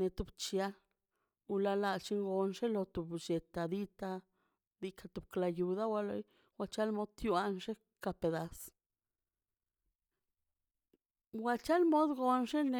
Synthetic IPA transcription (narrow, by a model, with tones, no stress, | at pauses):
ne˧t̪u˧bt͡ʃja˧ | u˧la˧la˧t͡ʃi˧˦ŋɡo˧nʂe˦lo˧t̪u˨bd͡ʒe˨t̪a˨d̪i˧t̪a˧ | d̪i˧kʰa˧t̪u˨b̚kla˧ju˧d̪a˦wa˧lo̰˧˦j | wʷa˧t͡ʃa˦lmo˦d̪̚t̪ju˦a˧nʂe˦ | ka˨˧pe˨˧d̪a˨s | wa˧t͡ʃa˦lmo˦d̪ɡo˧nʂe˦ne˨